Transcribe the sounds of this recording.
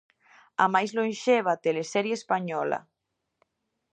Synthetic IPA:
amajzloẽnʃeβ̞at̪elesɛɾjeespaɲɔla̰

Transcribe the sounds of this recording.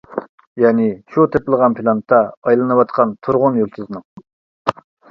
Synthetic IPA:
jɛːnɪʃut̪ʰeplˠəʁɑnpʰilˠɑnt̪ʰːɑːjlˠɨnɨwɑt̪qʰɑnt̪ʰuɾʁʊnjolˠt̪ʰɪznɨŋ

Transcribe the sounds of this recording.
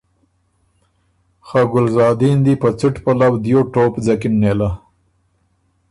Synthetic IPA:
xaɡʊlzɑːd̪ind̪ipət͡sɪʈpalawd̪joʈoːpd͡zakimnela

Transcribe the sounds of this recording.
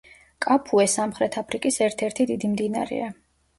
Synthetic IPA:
kʼapʰuɛsamχɾɛt̪ʰapʰɾikʼisɛɾt̪ʰɛɾt̪ʰid̪id̪imd̪ina̰ɾɛ̰a

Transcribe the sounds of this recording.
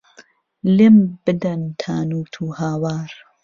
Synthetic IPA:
lembɨd̪ɐnt̪ʰaːnuːt̪ʰuːhaːwaːɾ

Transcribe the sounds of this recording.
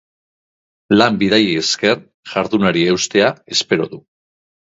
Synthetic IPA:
lambiðajieske̞r | ʝ̥aɾðunaɾie̞wst̪e̞ae̞spe̞ɾo̞ðu

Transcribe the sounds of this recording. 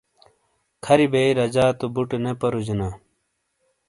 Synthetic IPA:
kʰɐɾibeiɾɐd͡ʑaːt̪obuʈenepɐɾud͡ʑena

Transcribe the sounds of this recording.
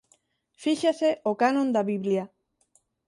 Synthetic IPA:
fiʃaseʔokanõnd̪aβiβlja

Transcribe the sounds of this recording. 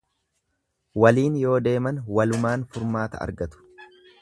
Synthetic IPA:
wɐliːnjo̞ːd̪e̞ːmɐnwɐlʊmaːnfʊɾmaːt̪ɐɐ̰ɾɡɐt̪ʊ̥

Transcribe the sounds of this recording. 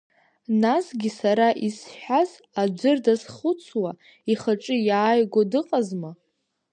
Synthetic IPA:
nasɡʲisaɾaʔisħʷᶣaz | ad͡ʒʷɨrdazχʊt͡sʰwa | iχaʈ͡ʂʼɨjaːjɡʷadɨqʼazma

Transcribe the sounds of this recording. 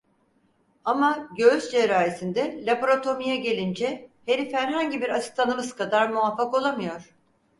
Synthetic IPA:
amaɟøyzd͡ʒeɾaːɾesind̪ɛlʲabo̞ɾat̪ʰo̞mijaɟe̞lʲind͡ʒɛheɾifhæɾɦaɲɟibiɾat͡ʃʰɯ̥t̪ʰanɯmɯzkʰad̪aɾmuafːako̞lˠamɯjo̞ɾ̥

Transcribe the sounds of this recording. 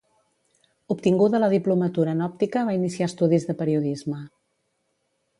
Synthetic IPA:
upt̪iŋɡuðələðiplumət̪uɾəːnɔp̚t̪ikəβ̞ainisiast̪uðizðəpəɾiuðizmə

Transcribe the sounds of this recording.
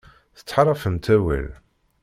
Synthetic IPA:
θə̥t͡sːħɾˤɑfəmt̪æwæ̰l

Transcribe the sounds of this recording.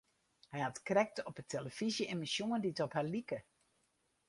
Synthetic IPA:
hɛjhatkrɛk̚tɔpətʰeləfizjəemisjuənditɔphalikə

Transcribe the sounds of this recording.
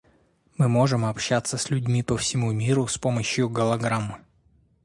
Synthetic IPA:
mɨmo̞ʐɨmɐpɕːat̪səsʲlʲʉdʲmʲipəfsʲɪmumʲiɾʊspoməɕjʊɡəlˠɐɡɾamːɨ

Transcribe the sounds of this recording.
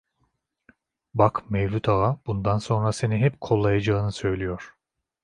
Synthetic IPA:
bakmejlʲut̪ʰaɣabund̪anso̞nɾase̞niɦɛpkʰo̞lˠːajad͡ʒaːnɯsø̞jlʲijo̞ɾ̥

